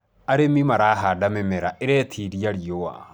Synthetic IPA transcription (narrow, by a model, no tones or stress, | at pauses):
aɾemimaɾaɦadamɛmɛɾaʔeɾɛtʰiɾijaɾijowa̰